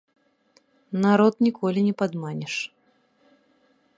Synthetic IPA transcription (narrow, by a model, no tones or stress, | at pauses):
naɾɔt̪nʲikɔlʲinʲɛpad̪manʲɛʂ